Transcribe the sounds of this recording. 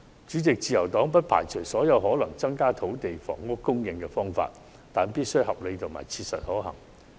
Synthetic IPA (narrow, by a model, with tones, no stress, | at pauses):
t͡ʃyː˨˥t͡sɪ˨k̚t͡siː˨jɐ˨˩wt̪ɔː˨˥ŋp̬ɐ˥t̚pʰa̰ː˨˩jt͡ʃʰɵ˨˩jsɔː˨˥jɐ˨˧wɦɔː˨˥lɐ˨˩ŋt͡sɐ˥ŋkaː˥t̪ʰo˨˥wt̪e˨jfɔ̰ː˨˩ŋːʊ˥kkːʊ˥ŋjɪ˧ŋkɛː˧fɔː˥ŋfa̰ː˧t̚ | t̪aː˨npiː˥t̚sjhɐ˨p̚le˨˧jt̪ʰʊ˨˩ma̰ː˨˩jt͡sʰiː˧t̚sɐ̰˨t̚hɔː˨˥hɐ̰˨˩ŋ